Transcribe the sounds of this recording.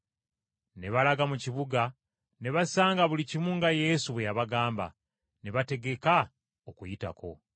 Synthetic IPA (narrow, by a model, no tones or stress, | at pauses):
ne̞βalaɡamuciβuɡa | ne̞βasaːŋɡaβulicimuŋɡaje̞suβwe̞jaβaɡaːmba̰ | ne̞βate̞ɡe̞ka | okujita̰ko̞̰